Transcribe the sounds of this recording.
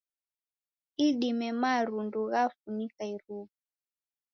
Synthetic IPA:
iɗimɛmaɾunduɣafunikaiɾuβu

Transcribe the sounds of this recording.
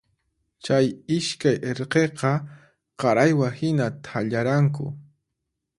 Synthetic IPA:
t͡ʃajɪʃkajʔeɾqeqɑ | qɑɾajwahɪnat̪ʰaʎaɾaŋkʊ̰

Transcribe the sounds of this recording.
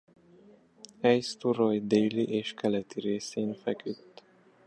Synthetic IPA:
ɛjst̪uɾojd̪eːliʔeːʃkʰɛlɛt̪iɾeːseːnfɛkyt̪ː

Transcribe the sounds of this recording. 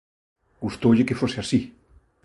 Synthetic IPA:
ɡ̥ust̪oʎekefoseasi

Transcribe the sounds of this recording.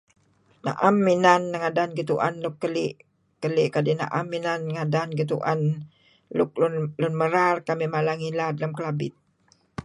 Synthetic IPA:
na̰ʔamːinanːaŋadanɡit̪uʔa̰nlʊkːəliʔ | kəliʔkadina̰ʔa̰mːinanːŋadanɡit̪uʔa̰n | lʊk̚llʊnməɾarkamimalaŋiladalamkəlabɪ̰t̪̚

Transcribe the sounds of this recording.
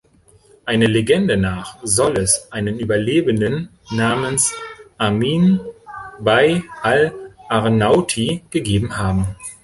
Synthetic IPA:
ʔaɪnəleɡɛndənaːχzɔlɛsʔaɪnənʔyːbɐleːbəndənː | aːmənsʔamiːn | vaɪalʔaʁnaʊtʰiɡ̥əɡeːbm̩haːbm̩

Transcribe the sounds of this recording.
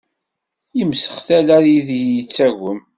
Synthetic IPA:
imsə̥χθælæɾjiðijət͡sːæɣʷəm

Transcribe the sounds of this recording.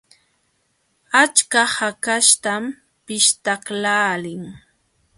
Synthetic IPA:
at͡ʃkahakaʃt̪am | pɪʃt̪aklaːlɪŋ

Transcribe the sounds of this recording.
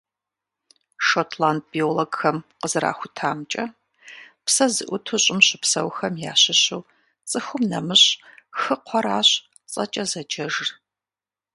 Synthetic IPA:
ʃoːtʰlaːnd̚b̥ioloɡxɐmqəzɨɾa̰ːxʷʊtʰaːmt͡ʃʼɐ | psɐzɨʔʷʊtʰuɕʼɪmɕɪpsɐ̰wxɐmja̰ːɕɪɕuw | t͡sʼɨxʷʊmnɐmɨɕxɨqʷʰɔɾaːɕ | t͡sʼɐ̰t͡ʃʼɐzɐd͡ʒɐʒr

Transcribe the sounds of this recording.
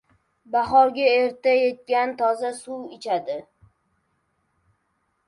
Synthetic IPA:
baχɒɾɡʲaeɾt̪aje̞t̪̚kʲant̪ʰɒzasuwɪt͡ʃʰad̪ɪ

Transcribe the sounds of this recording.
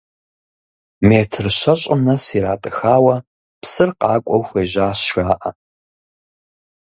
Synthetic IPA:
meːtʰɨrɕɐɕʼɪnɐsiːɾaːtʼɨxaːwɐ | psɨrqɑːkʷʼɔwxʷeːʒaːsʃaːʔɐ̰

